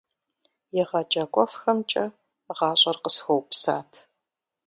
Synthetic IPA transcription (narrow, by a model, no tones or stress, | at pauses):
jɛʁɐd͡ʒɐɡʷʼɔfxɐmt͡ʃʼɐ | ʁɑːɕʼɐrqəsxowpsa̰ːtʰ